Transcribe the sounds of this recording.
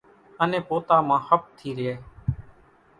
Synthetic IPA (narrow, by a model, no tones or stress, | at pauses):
ənẽːpoːt̪aːmãːhəp̚t̪ʰiːɾɪeː